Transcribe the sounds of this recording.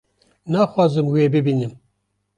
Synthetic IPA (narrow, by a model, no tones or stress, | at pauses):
naːxʷɑːzɨmweːbɨbiːnɨm